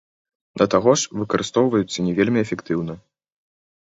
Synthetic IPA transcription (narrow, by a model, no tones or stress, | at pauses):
d̪ɐt̪aɣɔʂvɨkɐɾɨst̪ɔwvɐjut̪sːɐnʲɛvʲelʲmʲiɛfʲɛkt̪ɨwnɐ